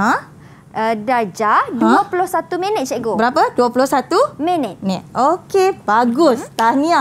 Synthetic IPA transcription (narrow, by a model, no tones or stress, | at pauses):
ã | ədad͡ʒaduəpulʊhsat̪umenɛt̪̚t͡ʃɛʔɡobəɾapəduəpulʊhsat̪umenɛt̪̚nɛokebaɡʊst̪ania